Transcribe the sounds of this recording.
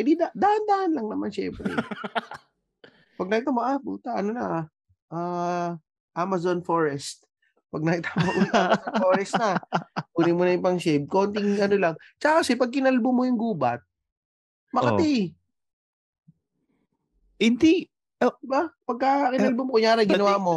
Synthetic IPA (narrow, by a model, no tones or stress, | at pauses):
kɐd̪id̪ad̪aːʔɐnd̪aʔɐnlɐŋnɐmanʃɛmpɾɛ̰ | pɐɡ̚nɐkɪt̪aːmoʔabṵːt̪ɐʔɐnonɐ | ʔaː | ʔamɐzonfoɹɛst̪̚ | pɐɡ̚nɐkɪt̪amoʔuːiamsofoːɾɛst̪nɐpuːnɪmonɐjʊpɐŋʃeb̪̚ko̞nt̪ɪŋʔɐnolɐŋt͡ʃɐkakɐsɛpɐɡ̚kɪnɐlbomojʊŋɡuːbɐ̰t̪̚ | mɐkɐt̪ɛj | hɪnd̪i | obapɐɡ̚kɐkɪnɐlbomokʊjaːɾɐjɡɪnɐwaːmo